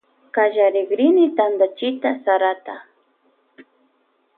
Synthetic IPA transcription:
kaʒaɾɪɡɾɪnɪt̪and̪at͡ʃɪt̪asaɾat̪a

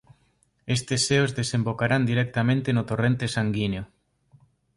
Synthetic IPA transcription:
est̪eseozðesembokaɾand̪iɾɛk̚t̪amẽnt̪enʊt̪orent̪esaŋɡineo

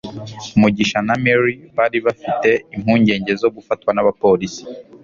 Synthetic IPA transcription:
umuɟiʃanameɾiβaːɾiβafite̞im̥huːɲɟe̞ːɲɟe̞zo̞ɡufatwanaβapo̞ɾisi̥

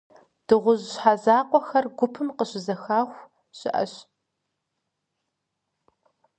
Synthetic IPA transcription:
d̥ɨʁʷʊʑɕħazaːqʷʼɔxɐrɡʷʊpʰɨmqəɕɪzɐxaːxʷ | ɕɪʔɐ̰ɕ

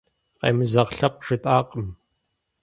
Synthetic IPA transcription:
qḛːmɨzɐʁɬɐp̚ʼʂɨtʼaːqʼəm

